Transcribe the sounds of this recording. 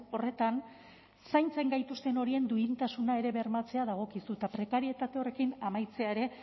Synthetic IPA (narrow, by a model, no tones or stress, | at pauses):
o̞re̞t̪an | sajnt͡se̞ŋɡajt̪ust̪e̞no̞ɾie̞nd̪uint̪asunae̞ɾe̞βe̞ɾmat͡se̞aðaɣ̞o̞kisut̪apɾe̞kaɾie̞t̪at̪e̞o̞re̞kinamajt͡se̞aeɾe̞